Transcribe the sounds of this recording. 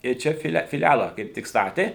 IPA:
ɪr ˈt͡ʃʲɛ fʲɪˈlʲɛ fʲɪˈlʲælˠɐ kɐɪp ˈtʲɪk ˈstɑːtʲeː

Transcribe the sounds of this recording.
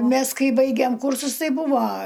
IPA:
ˈmʲɛs ˈkɐɪ ˈbɐɪɡʲeːm ˈkuːrsʊs ˈtɐɪ ˈbʊʋoː

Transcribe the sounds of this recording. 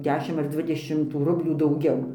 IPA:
ˈdʲæːʃʲɪm ɐr ˈdʲʋʲɪdʲɛʃʲɪm tuː ˈrʊbʲlʲuː dɐʊˈɡʲɛʊ

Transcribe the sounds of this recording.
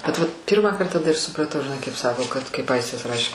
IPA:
bʲɛt ʋɐt ˈpʲiːrmɑːkɐrt tɐˈdɐ ɪr sʊprɐˈtɐʊ ʒʲɪˈnɐɪ kɐɪp ˈsɑːkoː kɐt kɐɪp ˈɐɪsʲtʲɪs ˈrɑːʃʲeː

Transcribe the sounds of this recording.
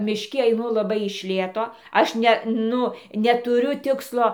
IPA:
mʲɪʃʲˈkʲɪ ɐɪˈnʊ lˠɐˈbɐɪ ɪʃ ˈlʲeːtoː ˈɐʃ ˈnʲɛ ˈnʊ nʲɛtʊˈrʲʊ ˈtʲɪkslˠoː

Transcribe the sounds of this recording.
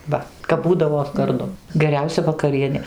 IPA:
ˈʋɐ kɐp ˈbuːdɐʋoː ɡɐrˈdʊ ɡʲɛˈrʲɛʊsʲɛ ʋɐkɐˈrʲiɛnʲeː

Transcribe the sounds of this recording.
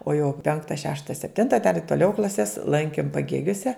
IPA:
oː jɛʊ ˈpʲɛŋktɐ ˈʃʲæːʃtɐ sʲɛpʲˈtʲɪntɐ dɐr ɪ toːˈlʲɛʊ klˠɐˈsʲɛs ˈlˠɐŋʲkʲɪm pɐˈɡʲeːɡʲoːsʲɛ

